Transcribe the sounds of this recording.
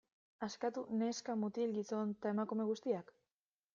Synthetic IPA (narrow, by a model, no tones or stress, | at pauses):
askat̪une̞skamut̪ilɡiso̞nt̪ae̞makume̞ɣ̞ust̪iak